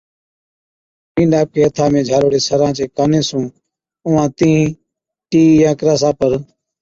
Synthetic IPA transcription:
pĩːɳɖaːp̚kʰeːət̪ʰãːmẽːd͡ʒʱaːɾoːɽeːsəɾãːt͡ʃeːkaːnẽːsũː | ʊʋãːt̪ĩː | ʈiːjãːkɾaːs̬aːpəɾ

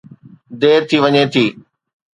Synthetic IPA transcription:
d̪eːɾt̪ʰiʋɐɲet̪ʰiː

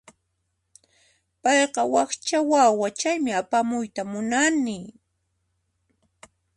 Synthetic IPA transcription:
pɑjqɑwɑχt͡ʃawawat͡ʃajmɪapamʊjt̪amʊnanɪ

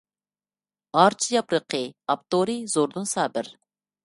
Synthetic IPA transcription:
ɑɾt͡ʃʰijɑpɾəqʰəɑp̚t̪oɾɨz̥oɾd̪unsɑːbɪɾ

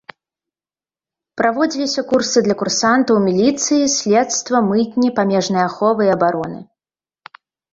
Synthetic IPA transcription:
pɾavɔd͡zʲilʲisʲɐkursɨd̪lʲɐkursant̪ɐwmʲilʲit̪sɨjisʲlʲɛt̪st̪vɐmɨt̪ʲnʲipamʲɛʐnɨjɐaxɔvɨiɐbaɾɔnɨ̰

